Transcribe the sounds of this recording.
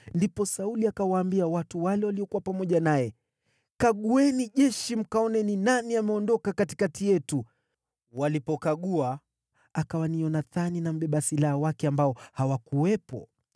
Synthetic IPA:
ndipɔsauliakawaːmbiawatuwalɛwaliɔkuwapamɔʄanajɛ | kaɠuɛniʄɛʃim̩kaɔnɛninaniamɛɔndɔkakati̥katijɛtu | walipɔkaɠua | akawaniɔnaθaninam̩ɓɛɓasilahawakɛambaɔhawakuwɛpɔ̰

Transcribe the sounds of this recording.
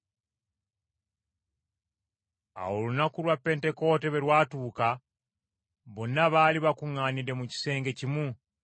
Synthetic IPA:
a̰wolunakulwapːe̞nte̞ko̞ːte̞βe̞ɾwaːtuːka | βo̞nːaβaːliβakuŋːaːnide̞muci̥se̞ːŋɡe̞cimu

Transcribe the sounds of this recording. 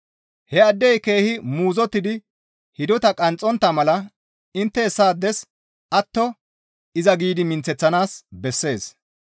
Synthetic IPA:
hɛɐd̪ːɛjke̞ːhɪmuːzɔt̪ːɪd̪ɪ | hɪd̪ɔt̪ɐkʼɐnt͡sʼːɔnt̪ːɐmɐlɐ | ɪnt̪ːɛɛsːaːd̪ːɛs | ɐt̪ːɔ | ɪzɐɡiːd̪ɪmɪnt͡sːɛt͡sːɐnaːsbɛsːe̞ːs

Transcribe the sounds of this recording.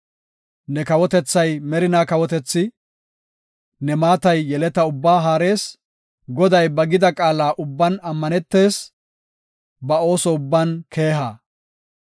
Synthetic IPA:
nɛkɐwɔt̪ɛt͡sːɐjmɛɾɪnaːkɐwɔt̪ɛt͡sːɪ | nɛmaːt̪ɐjːɛlɛt̪ɐʊbːaːɦaːɾe̞ːs | ɡɔd̪ɐjbɐɡɪd̪ɐkʼaːlaːʔʊbːɐnɐmːɐnɛt̪ːe̞ːs | bɐo̞ːsɔʊbːɐnkʰe̞ːɦaː

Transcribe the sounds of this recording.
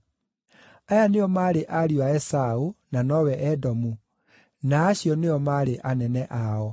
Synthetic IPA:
ajaneɔmaːɾeʔaɾiwaɛsaonanɔwɛʔɛdɔmu | naːɕjɔneɔmaɾeʔanɛnɛʔaɔ

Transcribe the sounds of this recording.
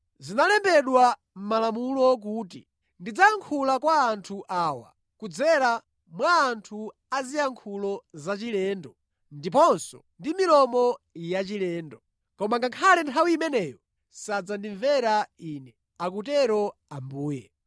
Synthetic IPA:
zinalɛmbɛɗwa | m̩malamulɔk̬uːti | ndid͡zaŋkʰulakwaːntʰuʔaːwa̰ | kud͡zɛɾa | mwaːntʰu | azijaŋkʰulɔzat͡ʃilɛːndɔ | ndipɔnsɔ̰ndimilɔmɔjat͡ʃilɛːndɔ | kɔmaŋɡaŋkʰalɛntʰawiːmɛnɛːjɔ | sad͡zandiɱvɛɾaiːnɛ | ak̬utɛɾɔambuːjɛ

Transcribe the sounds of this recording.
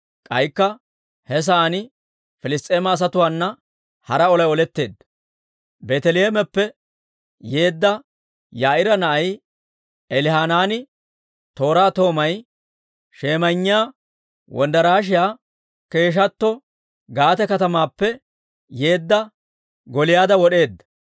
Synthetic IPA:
kʼɐjkːɐ | hɛs̬aːnɪ | fɪlɪst̪ʼeːmɐːs̬ɐt̪ʊwaːnːɐ | hɐɾɐɔlɐjɔlɛt̪ːe̞ːd̪ːɐ | beːt̪ɛlɪjeːmɛpːɛ | je̞ːd̪ːɐ | jaːʔɪɾɐnɐʔɐj | ɛlɪhaːnaːnɪ | t̪o̞ːɾaːt̪o̞ːmɐj | ʃeːmɐɲːɪjaː | wʔɔ̰nd̪ɐɾaːʃ̬ɪjaː | ke̞ːʃ̬ɐt̪ːɔ | ɡaːt̪ɛkɐt̪ɐmaːpːɛ | je̞ːd̪ːɐ | ɡɔlɪjaːd̪ɐwɔɗe̞ːd̪ːɐ̥

